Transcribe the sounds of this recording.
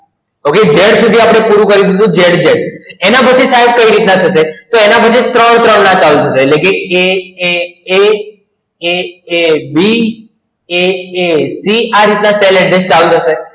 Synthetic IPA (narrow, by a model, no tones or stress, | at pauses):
oked͡ʒeɽsud̪ʱiapɽ̃epuɾũkəɾid̪id̪ũd͡ʒeɽd͡ʒeɽenapət͡ʃʰisaɦeb̚kəiɾit̪nat̪ʰəʃet̪oenapət͡ʃʰit̪ɾəɳ̃t̪ɾəɳːat͡ʃalut̪ʰəʃeːtlekeeee | eebi | eesiaɾit̪naseleɖest͡ʃalut̪ʰəʃe